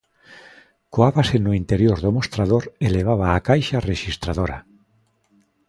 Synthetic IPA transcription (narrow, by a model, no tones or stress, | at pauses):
koaβasenʊint̪eɾjoɾðomost̪ɾaðoɾeleβ̞aβaːkajʃareʃist̪ɾaðoɾa̰